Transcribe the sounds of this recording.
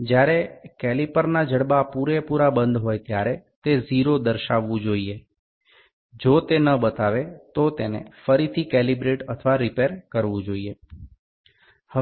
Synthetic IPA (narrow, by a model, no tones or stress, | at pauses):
d͡ʒjaɾekɛlipəɾnad͡ʒəɽbapuɾepuɾabənd̪ɦojt̪jaɾet̪eziɾod̪əɾʃaʋːũd͡ʒoie | d͡ʒot̪enəbət̪aʋet̪ot̪enḛfəɾit̪ʰikɛlibɾeʈət̪ʰəʋaɾipeɾkəɾʋũd͡ʒoie | hə